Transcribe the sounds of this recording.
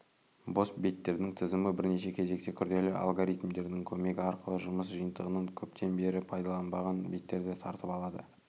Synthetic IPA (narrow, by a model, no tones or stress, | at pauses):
bo̞sbijt̪ːe̞ɾd̪ɪŋt̪ʰɪzɪmɪbɪɾne̞ʃ̬e̞kʲʰe̞ze̞kt̪e̞kʲʰʏɾd̪e̞lɪʔɑ̰lˠɡoɾijt̪md̪e̞ɾd̪ɪŋkʲʰɵme̞ɡʲɪɑɾqəlˠəʒʊməs̬ʒijənt̪əʁənəŋkʲʰɵpt̪ʰe̞nbe̞ɾɪpʰɑjd̪ɑlˠɑnbɑʁɑnbijt̪ːe̞ɾd̪ɪt̪ʰɑɾt̪əpɑlˠɑd̪ə̰